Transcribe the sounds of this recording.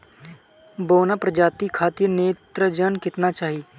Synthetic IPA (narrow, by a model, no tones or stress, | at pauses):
boːnapɾəd͡ʒaːt̪ikʰaːt̪ineːt̪ɾəd͡ʒənkɪt̪nat͡ʃaːɦiː